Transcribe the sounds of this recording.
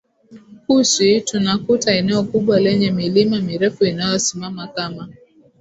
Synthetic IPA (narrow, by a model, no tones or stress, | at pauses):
husitunakutaɛnɛɔkuɓwalɛɲɛmilimamiɾɛfuinajɔsimamakama